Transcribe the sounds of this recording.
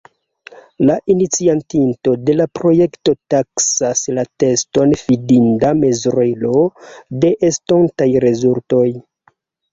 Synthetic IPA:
laʔinit͡siantinto̞de̞lapɾo̞je̞kto̞taksaslate̞sto̞nfidindame̞zɾelo̞de̞ʔestontajɾe̞zulto̞j

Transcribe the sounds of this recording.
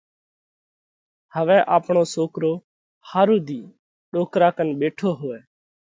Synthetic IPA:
həʋɛ̃ːʔaːpɳ̃oːsoːkɾoː | haːɾuːd̪ʱiː | ɗoːkɾaːkənɓeːʈʰoːɦoːɛː

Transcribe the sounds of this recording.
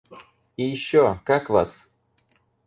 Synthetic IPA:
iɕːɔkakva̰s

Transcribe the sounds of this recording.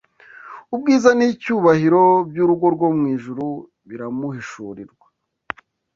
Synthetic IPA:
ubɡiːzanicuːβahiɾo̞bjuːɾuɡo̞ɾɡwo̞mŋiːʒuɾu | βiɾamuhiʃuːɾiɾɡwḁ

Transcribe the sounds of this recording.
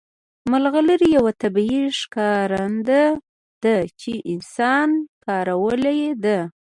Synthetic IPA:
malɣaləɾijawat̪abiiʂkɑɾand̪a | d̪̥ət͡ʃeʔɪnsɑnkɑɾawəlejed̪a

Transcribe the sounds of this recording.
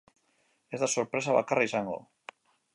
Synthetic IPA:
ezðasoɾpɾes̬aβa̰karaisaŋɡo̰

